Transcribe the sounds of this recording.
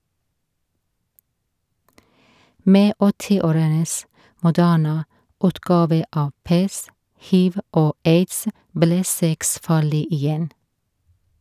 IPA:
ˈmeː ˈɔtɪˌoːɾəns mʊˈdæːɳə ˈʉːtɡɑːʋə ˈɑː ˈpɛst ˈhiːʋ ˈoː ˈeɪdsə ˈblɛ ˈsɛks ˈfɑːɭɪ ɪˈjɛn

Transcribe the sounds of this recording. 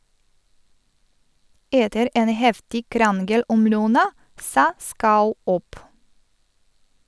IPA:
ˈʔeːtəɾ ˈʔeːn ˈhɛftɪ ˈkɾɑnɡəl ˈʔɔm ˈlœnɑ ˈsɑː ˈskɑʉ ˈʔɔp

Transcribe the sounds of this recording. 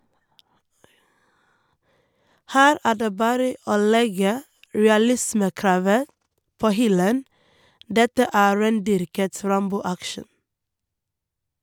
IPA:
ˈhæːɾ ˈæː ˈɖeː ˈbɑːɾə ˈoː ˈlɛɡə ɹɛɑˈlɪsməˌkɾɑːʋə ˈpoː ˈhʏlən ˈdɛtə ˈæː ˈɹeːnˌdʏɾkət ˈɾɑmbuː ˈækʃɳ̩

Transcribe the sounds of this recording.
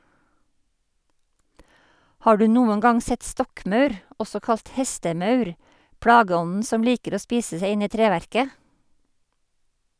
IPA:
ˈhɑː ˈɖʉː ˈnuːən ˈɡɑŋ ˈsɛt ˈstɔkˌmœʉɾ ˈʔɔsɔ ˈkɑlt ˈhɛstəˌmœʉɾ ˈpɽɑːɡəˌɔnn̩ ˈsɔm ˈliːkəɾ ˈoː ˈspiːsə ˈseɪ ˈɪn ˈiː ˈtɾeːˌʋæɾkə

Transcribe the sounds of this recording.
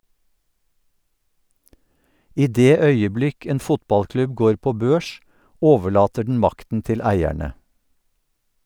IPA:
ˈʔiː ˈdeː ˈœʏəˌblɪk ˈeːn ˈfʊtˌbɑlˌklʉb ˈɡoːɹ ˈpoː ˈbøːʃ ˈʔoːʋəˌɭɑːtə ɖɳ̩ ˈmɑktn̩ ˈtɪl ˈæɪæɳə

